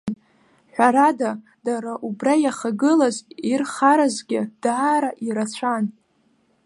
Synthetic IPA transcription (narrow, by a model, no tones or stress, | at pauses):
ħʷᶣaɾada | daɾaʔubrajaχaɡɨlazirχaɾazɡʲɪd̥aːɾaʔiɾat͡ɕʷʰan